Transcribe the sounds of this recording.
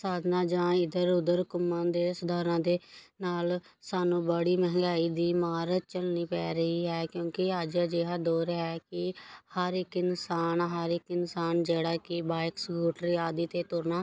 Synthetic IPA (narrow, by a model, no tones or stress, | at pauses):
saːd̪naːd͡ʒãːɪd̪əɾʊd̪əɾkʊmãːd̪eːsʊd̪aːɾãːd̪eːnaːl | saːnũːbəɽiːmɛɦŋɡaːiːd̪iːmaːɾət̪̚t͡ʃəlniːpɛːɾəɦiːɦɛːkjõːkɪəd͡ʒd͡ʒeaːd̪oːɾɦɛːkɪhəɾɪkɪnsaːnɦəɾɪkɪnsaːnd͡ʒeːɽaːkɪbaːɪksɡuːʈɾiːaːd̪iːt̪eːt̪ʊɾnaː